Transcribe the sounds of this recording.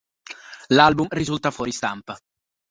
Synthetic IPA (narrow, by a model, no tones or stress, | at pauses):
lalbumrizult̪afwɔːɾist̪ampa